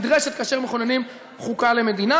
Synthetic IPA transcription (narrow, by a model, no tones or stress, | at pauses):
d̪ʁeʃet̪̚kaʃeʁmeχonenim | χukale̞me̞d̪ina